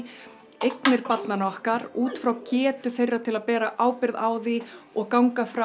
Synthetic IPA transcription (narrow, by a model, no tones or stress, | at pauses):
ejknɪɾpat̪nanɔhkaɾuːt̪fɾawcɛːt̪ʏθejrːat̪ʰɪlaðpɛːɾaʔaːwpɪɾðaːwðiɔɣkawŋkafɾa